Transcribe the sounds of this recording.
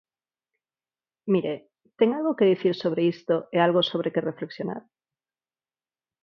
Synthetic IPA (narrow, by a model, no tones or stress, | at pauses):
miɾe | t̪eŋalɣokeðiθiɾsoβ̞ɾeist̪oealɣosoβ̞ɾʔekerefleksjona̰ɾ